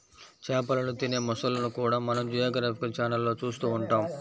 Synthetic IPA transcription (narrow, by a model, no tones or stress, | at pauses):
t͡ʃɛːpɐlɐnut̪ine̞ːmɔsɐlːɐnukuːɽaːmɐnɐmd͡ʒujaːɡɐɾaːpikɐlt͡ʃaːnɐlːo̞ːt͡ʃuːst̪uːuɳʈaːm